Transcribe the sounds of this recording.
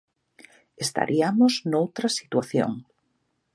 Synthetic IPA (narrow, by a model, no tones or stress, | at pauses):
est̪a̰ɾʔiamoznowt̪ɾɐsi̥t̪waθjo̰ŋ